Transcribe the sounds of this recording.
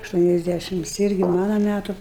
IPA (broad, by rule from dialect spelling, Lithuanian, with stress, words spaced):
ɐʃˌtuɔnʲɛzʲˈdʲæʃʲɪms ˈɪrʲɡʲɪ ˈmɑːnɐ ˈmʲætʊ